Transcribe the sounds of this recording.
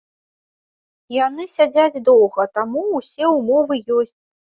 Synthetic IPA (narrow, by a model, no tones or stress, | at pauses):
janɨsʲad͡zʲad͡zʲd̪ɔwɣɐt̪amuːsʲɛumɔvɨjɔsʲt͡sʲ